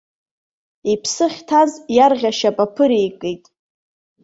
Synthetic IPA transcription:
ipʰsɨχʲtʰazjarʁʲaʃapʼapʰɨɾejkʼejtʼ

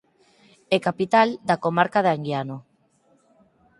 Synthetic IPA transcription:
ekapit̪ald̪akomaɾkaðaŋɡjano

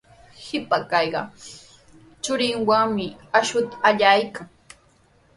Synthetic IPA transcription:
hɪpakɑjɢɑ̰ | t͡ʃʊɾɪŋwaŋmɪaʃʊt̪aaʎajkaŋ

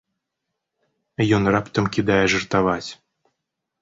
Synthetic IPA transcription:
jɔnrapt̪ɐmkʲid̪ajɛʐɨrt̪avat͡sʲ

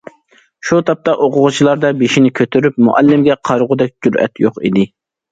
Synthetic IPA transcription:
ʃut̪ʰɑp̚t̪ɑʔoqʊʁʊt͡ʃʰilˠɑɾd̪ɑbeʃinɪkʲʰøt̪ʰyɾypmʊ̰ʔɛ̰lːɪmɡʲɛqʰɑɾʁʊd̪ɛk̚ʲd͡ʒuɾɛ̰t̪joqḭd̪ɪ

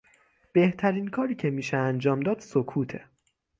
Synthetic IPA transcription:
b̥e̞ht̪ʰæɾiːnkʰɒːɾiːcʰe̞miːʃeænd͡ʒɒːmd̪ɒːd̪̥sokʰuːt̪ʰe

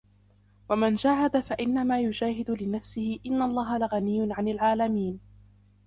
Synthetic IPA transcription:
wamand͡ʒaːɦad̪afaʔɪnːamaːjʊd͡ʒaːɦɪd̪ʊlɪnafsɪhɪʔɪnːalˤːɑːɦalaɣanɪjːʊnʕanɪlʕaːlamiːn

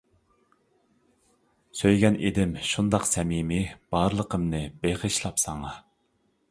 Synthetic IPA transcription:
søjɡʲɛnʔed̪ɪmʃund̪ɑqsɛmimɪb̥ɑɾlˠəqʰəmnɨbeqəʃlˠɑpsɑŋɑ

